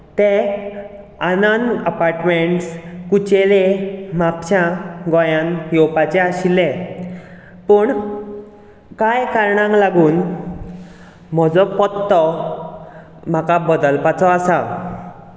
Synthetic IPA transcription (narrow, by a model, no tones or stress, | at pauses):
t̪e | ananəpaɾʈmeɳʈskut͡ɕelemapɕaɡɔjãnjɔwpat͡ɕeaɕilːe | pəːɳ | kajkaɾɳãŋklaɡuːn | m̤ɔd͡zɔpɔt̪ːɔ | m̤akabəd̪əlpat͡sɔasa